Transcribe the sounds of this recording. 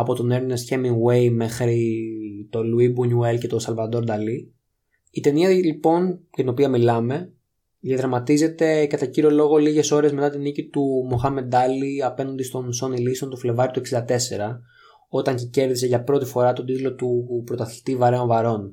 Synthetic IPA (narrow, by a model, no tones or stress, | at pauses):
ɐpo̞t̪o̞ne̞ɾne̞sçemiŋɡwe̞jme̞xɾit̪o̞luibunuelce̞t̪o̞sɐlvɐd̪o̞ɾd̪ɐli | it̪e̞niɐlipo̞nct̪ino̞piɐmilɐme̞ | ðjɐðɾɐmɐt̪ize̞t̪e̞kɐt̪ɐciɾio̞lo̞ɣo̞liʝe̞so̞ɾe̞zme̞t̪ɐt̪inicit̪umoxɐme̞d̪ɐliɐpe̞nɐnd̪est̪o̞nso̞niliseo̞nt̪ofle̞vɐɾit̪ue̞ksind̪ɐt̪e̞se̞ɾɐ | o̞t̪ɐɲcece̞ɾðiseʝɐpɾo̞t̪ifo̞ɾɐt̪o̞d̪it̪lo̞t̪upɾo̞t̪ɐθli̥t̪ivɐɾe̞onvɐɾo̞n